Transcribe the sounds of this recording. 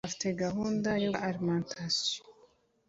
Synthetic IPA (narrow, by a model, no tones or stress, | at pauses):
afi̥teɡaɦuːndajoʔaɾimantʰaso̥